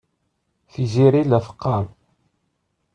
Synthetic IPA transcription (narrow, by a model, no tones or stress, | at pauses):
θiziɾilæfə̥qːɑm